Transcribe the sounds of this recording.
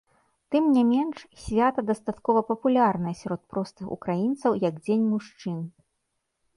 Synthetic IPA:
t̪ɨmnʲamʲɛnʂsʲvʲat̪ɐd̪ɐst̪at̪kɔvɐpɐpulʲarnɐjɐsʲaɾɔt̪̚pɾɔst̪ɨxṵkɾajint̪sɐwjɐɡd͡zʲenʲmuʂt͡ʂɨn

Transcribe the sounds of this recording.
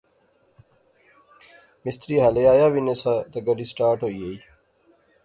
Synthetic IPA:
mɪst̪ɾiːɦɐlejaːjawinɐsad̪ɐɡɐɖisʈaːʈoijei

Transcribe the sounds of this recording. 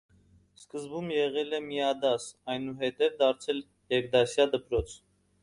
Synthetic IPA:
skəzbumjɛʁɛlɛmiɑd̪ɑsɑjnuɦɛt̪ɛvd̪ɑɾt͡sʰɛl | jɛɾɡ̚d̪ɑsjɑd̪əpɾɔt͡sʰ

